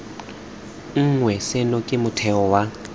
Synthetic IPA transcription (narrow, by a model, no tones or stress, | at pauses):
ŋ̩ŋwɛsɪnɔkʼɪmʊtʰɛɔwa